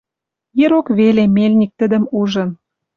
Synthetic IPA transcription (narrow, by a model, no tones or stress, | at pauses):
jeɾokβelemelʲnʲik̚t̪ə̆d̪ə̆muʒə̆n